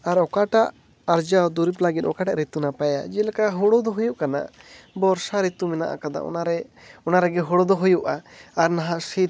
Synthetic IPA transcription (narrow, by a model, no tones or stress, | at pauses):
aɾɔkaʈaʔ | aɾd͡ʒawd̪uɾiplaɡit̪ɔkaʈaʔɾit̪unapaja̰d͡ʒɛlakaɦɔɽɔd̪ɔɦujuʔkana̰bɔɾsaɾit̪umɛna̰ʔa̰kad̪a̰ʔɔ̰naɾɛ | ɔnaɾɛɡɛɦɔɽɔd̪ɔɦujuʔaːɾnaɦãʔsi